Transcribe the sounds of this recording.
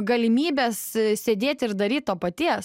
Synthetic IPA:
ɡɐlʲɪmʲiːbʲeːssʲeːd̪ʲeːt̪ʲɪɾd̪ɐɾʲiːt̪̚t̪oːpɐt̪ʲiɛs

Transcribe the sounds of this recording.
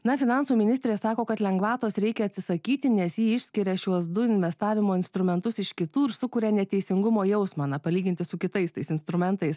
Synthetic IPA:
nɐfʲɪnɑnsuːmʲɪnʲɪsʲt̪ʲɾʲeːssɑːkoːkɐt̪lʲɛŋɡʋɑːt̪oːsɾʲɛɪkʲɛɐtʲsʲɪsɐkʲiːt̪ʲɪnʲɛsjiːɪʃʲsʲkʲɪɾʲɛʃʲuɔsd̪ʊɪnʲʋʲɛst̪ɑːʋʲɪmoːɪnst̪ɾʊmʲɛnt̪ʊsɪʃkʲɪt̪uːɪɾsʊkuːɾʲɛnʲɛt̪ʲɛɪsʲɪŋɡʊmoːjɛʊsmɑnɐpɐlʲiːɡʲɪnʲt̪ʲɪsʊkʲɪt̪ɐɪst̪ɐɪsɪnst̪ɾʊmʲɛnt̪ɐɪs

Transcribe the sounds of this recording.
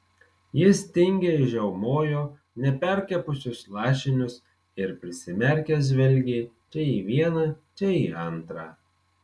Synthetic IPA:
jɪst̪ʲɪŋʲɡʲeɪʒʲɛʊmoːjoː | nʲɛpʲɛɾʲkʲɛpʊsʲʊslˠɑːʃʲɪnʲʊs | ɪɾpʲɾʲɪsʲɪmʲɛɾʲkʲɛs̬ʲʋʲɛlʲɡʲeːt͡ʃʲɛiːʋʲiɛnɐt͡ʃʲɛiːɐnt̪ɾɑː

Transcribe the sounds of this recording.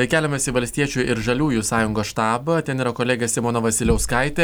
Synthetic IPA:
ɐɪkʲæːlʲɛmʲɛsʲɪʋɐlʲsʲt̪ʲiɛt͡ʃʲuːɪɾʒɐlʲuːjusɑːjʊŋɡoːsʃt̪ɑːbɐt̪ʲɛniːɾɐkoːlʲeːɡʲɛsʲɪmoːnoʋɐsʲɪlʲɛʊskɐɪt̪ʲe

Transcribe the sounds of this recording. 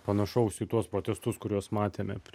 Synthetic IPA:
pɐnɐʃɐʊsʲɪt̪uɔspɾoːt̪ʲɛst̪ʊskʊɾʲuɔsmɑːt̪ʲeːmʲɛ̰pʲ

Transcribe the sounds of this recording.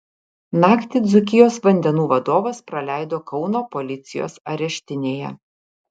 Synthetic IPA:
nɑːkt̪ʲiːd̪zʊkʲɪjoːsʋɐnʲd̪ʲɛnuːʋɐd̪oːʋɐspɾɐlʲæˑɪd̪oːkɒʊnoːpɔlʲɪt̪sʲɪjo̰ːsɐɾʲɛʃʲt̪ʲɪnʲeːjɛ̰

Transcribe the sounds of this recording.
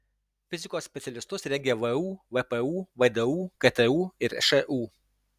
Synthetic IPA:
fʲɪzʲɪkoːsʲsʲpʲɛt̪sʲɛlʲɪst̪ʊsɾʲɛŋʲɡʲeʋɛuːʋɛpɛuːʋɐd̪ɛuːkɐt̪ɛuːɪɾɛʃɛʔuː

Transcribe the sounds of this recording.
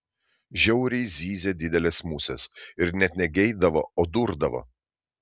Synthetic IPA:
ʒʲɛʊɾʲɛɪzʲiːzʲeːd̪ʲɪd̪ʲɛlʲeːsmuːsʲɛsɪɾnʲɛt̪ʲnʲɛɡʲɛɪd̪ɐʋooːd̪ʊɾd̪ɐʋɐ̰

